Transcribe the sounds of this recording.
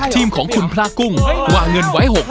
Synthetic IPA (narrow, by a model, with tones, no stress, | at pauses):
t̪ʰiː˧mkʰɔː˩˦ŋkʰu˧npʰlaː˧˥˩ku˧˩ŋwaː˧˩ŋŋɤ˧nwaː˦˥jɦo˨˩k̚